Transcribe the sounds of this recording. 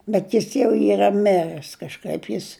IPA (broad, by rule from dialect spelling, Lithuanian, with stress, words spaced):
bʲɛt ˈjɪs jɛʊ ˈiːrɐ ˈmʲɪrɜs kɐʃˈkɐɪp ˈjɪs